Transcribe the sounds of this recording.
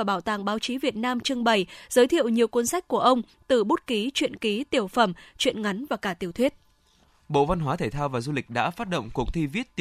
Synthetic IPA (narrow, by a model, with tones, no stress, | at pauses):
aː˨˩ɓaː˧˩wt̪aː˧˩ŋɓaː˨˦wt͡ɕi˨˦vi˨˩ət̚naː˧mt͡ɕɨ˧əŋɓə˨˩jz̥əː˨˦jt̪ʰḭ˧ə˨wɲi˨˩əwkwə˧ənsa˦˥jk̟̚ku˧˩əʔə˧wŋ͡m | t̪ɨ˨˩ɓu˦˥t̚ki˨˦t͡ɕwḭ˧˨ənki˨˦t̪i˨˩əwfə˨˧˩mt͡ɕwḭ˧˨ənŋa˨˦jŋ̟vaː˨˩kaː˧˩t̪i˨˧˩əwt̪ʰwi˦˥ət̚ | ɓo̰˧˨va˧nɦwaː˨˦t̪ʰe˧˩t̪ʰaː˧wvaː˨˩zu˧lï˨˩k̟̚ɗa̰ː˧˥faː˦˥t̚ɗə̰˧˨wŋ͡mku˨˩ək̚t̪ʰi˧vi˦˥ət̚t̪